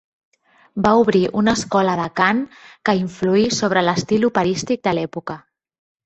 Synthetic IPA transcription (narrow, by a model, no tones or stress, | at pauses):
bauβɾiʔunəskɔləðəkaŋkəiɱfluisoβɾələst̪ilupəɾist̪ik̚d̪əlɛpukə